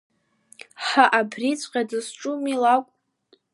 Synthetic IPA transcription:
ħaʔabʰrit͡sʷʼqʲʼadɨsʈ͡ʂʼumilakʷʼ

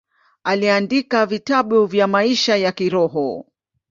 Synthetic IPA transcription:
aliandikavitaɓuvjamaiʃajakiɾɔɦɔ

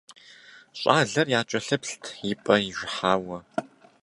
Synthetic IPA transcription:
ɕʼaːɮɐrjaːt͡ʃʼɐɬɨpɬtʰjɪpʼɐjiʒʷħaːwɐ

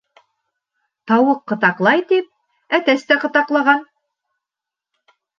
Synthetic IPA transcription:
t̪ɑwɤqːɤ̆t̪ɑqlˠɑjt̪ip̚ | æt̪æst̪æqɤ̆t̪ɑqlˠɑʁɑn

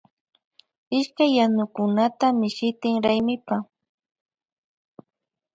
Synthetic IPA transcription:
ɪʃkajːanʊkʊnat̪amɪʃɪt̪ɪŋɾajmɪpa

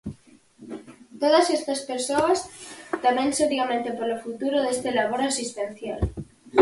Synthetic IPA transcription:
t̪oð̞asest̪aspeɾsoast̪amenseɾjamẽnt̪epolofut̪uɾoðest̪elaβ̞oɾasist̪enθja̰l

